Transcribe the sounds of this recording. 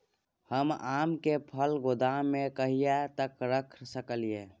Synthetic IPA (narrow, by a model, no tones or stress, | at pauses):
həmamkepʰəlɡod̪amːekəɦijɛt̪əkɾəkʰsəkəlije